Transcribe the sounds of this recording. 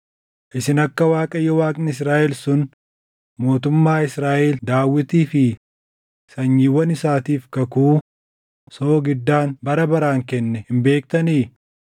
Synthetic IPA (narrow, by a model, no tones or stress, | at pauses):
ʔɪsɪnɐkːɐwaːkʼɐjːɔwaːkʼnɪɪs̬ɾaːʔɛlsʊn | mo̞ːt̪ʊmːaːɪsɾaːʔɛld̪aːwːɪt̪iːfɪ | sɐɲːiːwːɐnɪsaːt̪iːfkɐkuː | soːɡɪd̪ːaːnbɐɾɐbɐɾaːŋkɛnːɛhɪmbe̞ːk̚t̪ɐniː